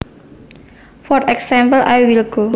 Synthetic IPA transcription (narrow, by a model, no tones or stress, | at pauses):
fɔtɛksãmpəlʔajwilɡ̥o